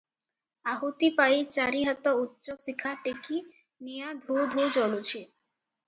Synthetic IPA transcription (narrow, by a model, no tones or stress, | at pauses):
aɦot̪ipajt͡ɕaɾiɦat̪ɔutːʃosikʰaʈeki | nijad̪ʱud̪ʱod͡ʑɔlot͡ɕʰe